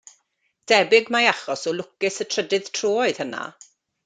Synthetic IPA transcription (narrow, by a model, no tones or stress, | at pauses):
d̥ɛbɪɡmajaχɔsɔlˠʊkɪsətʰrədɪð̥tʰroːɔɨð̥həna̰